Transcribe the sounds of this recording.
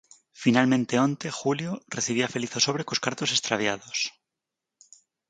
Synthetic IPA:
finalmẽnt̪eo̞nt̪e̞xuljoreθiβ̞iafe̞liθoso̞βɾe̞koskaɾt̪o̞se̞st̪ɾaβjað̞o̞s

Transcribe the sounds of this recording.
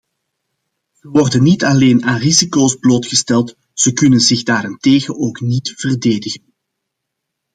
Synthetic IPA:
z̥əʋɔrdənːitɑleːnaːnrizikoːzbloːtxəstɛlˠt | z̥əkɵnənzɪɣdaːɾɪnteːɣənoːknitv̥ərdeːdəɣən

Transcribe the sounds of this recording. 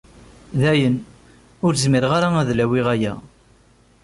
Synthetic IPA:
ðæjən | ʊɾzmiɾʁaɾaæðlæwiʁæjæ̰

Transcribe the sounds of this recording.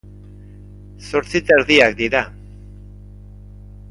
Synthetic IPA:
so̞ɾt͡sit̪aɾðiakd̪iɾa

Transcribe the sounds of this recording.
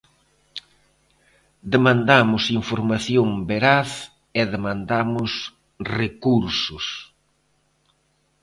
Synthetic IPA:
d̪emãnd̪amʊsiɱfoɾmaθjoŋbeɾaθ | eðemãnd̪amʊs | rekuɾsʊs

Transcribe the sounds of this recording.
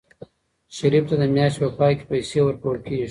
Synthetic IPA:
ʃaɾift̪ad̪əmjɑʃt̪pəpɑjke̥pajsewəɾpoɽkei

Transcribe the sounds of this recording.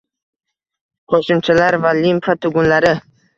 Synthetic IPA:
qʰoʃʊmt͡ʃʰalaɾvalimpat̪ʰʊɡʊnlaɾɪ

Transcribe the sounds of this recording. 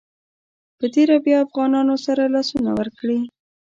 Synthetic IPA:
pət̪eɾabjɑːfɣɑnɑnosaɾalɑsuna̰wəɾkɽi

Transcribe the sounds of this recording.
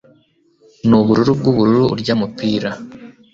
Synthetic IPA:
nuβuɾuɾub̚ɡuβuɾuɾṵɾɟamupiːɾa

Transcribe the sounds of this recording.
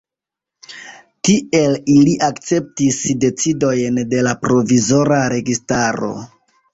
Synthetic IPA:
tie̞liliʔakt͡se̞p̚tisde̞t͡sido̞jnde̞lapɾo̞vizo̞ɾaɾe̞ɡistaɾo̞̰

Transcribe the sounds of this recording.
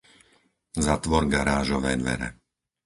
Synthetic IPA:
zat̪ʋɔɾɡaɾaːʒɔʋɛːd̪ʋɛ̰ɾɛ̰

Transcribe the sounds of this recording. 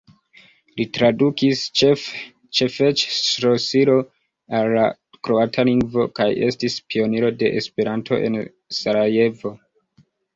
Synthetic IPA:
litɾadukis | t͡ʃefet͡ʃsɾosiɾo̞ | alːa | kɾo̞atʰaliŋɡvo̞kaje̞stispio̞niɾo̞de̞ʔḛspe̞ɾantʰo̞̰ʔe̞̰n | saɾajevo̞

